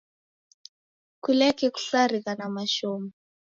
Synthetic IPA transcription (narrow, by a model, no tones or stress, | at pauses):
kulɛkɛku̥ɬarikanamaʃɔːmɔ